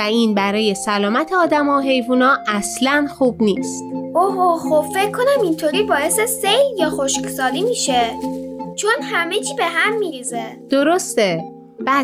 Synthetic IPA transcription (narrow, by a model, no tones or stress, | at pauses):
æiːnbæɾɒːje̞sælɒːmæt̪ʰeɒːd̪æmɒːɦe̞jvuːnɒːʔæslænxuːbniːst̪oɦoxob̥fe̞cʰːo̞næmint̪ʰoɾibɒːe̞sese̞jljɒːxoʃksɒːlimiʃe | t͡ʃʰonhæme̞t͡ʃʰiːbe̞ɦæmːiːɾiːzed̪̥o̞ɾost̪e | bæ